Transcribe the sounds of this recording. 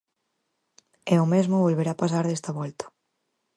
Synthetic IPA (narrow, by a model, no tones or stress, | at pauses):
ɛʊmezmʊβolβeɾapasaɾðest̪aβɔlt̪ḁ